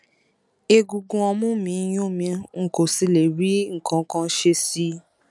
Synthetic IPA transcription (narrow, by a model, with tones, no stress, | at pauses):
e˧ɡu˧ɡũ˧ɔ˧mũ˦mĩ˧˦j̃õ˦˨mĩ˧ŋ̩˨ko˨si˧le˨ɾi˦ŋ̩˨kã˧˨˦kã˧˦ʃe˧si˦